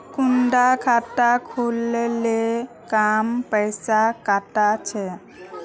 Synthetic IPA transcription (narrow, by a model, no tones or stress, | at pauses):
kundakʰatakʰulele | kampəjsakatat͡ʃʰɛ